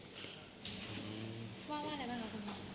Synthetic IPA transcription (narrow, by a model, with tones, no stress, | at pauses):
waː˥˩waː˥˨ɾa˧jbaː˥˩ŋkʰa˧˥kʰo˧˩m˧˥˩